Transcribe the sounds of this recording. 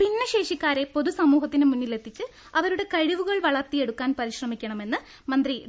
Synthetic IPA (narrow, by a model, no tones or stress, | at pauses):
pinːɐɕe̞ːʂikʲːaːɾe̞po̞ðusɐmuːɦɐt̪ːinɨmunːile̞t̪ːit͡ɕːɨ | ɐʋɐɾuɽe̞kɐɻiʋuɣɐɭʋɐɭɐrt̪ie̞ɽukːaːnpɐɾiɕrɐmikʲːɐɳɐme̞nːɨ | mɐnd̪ri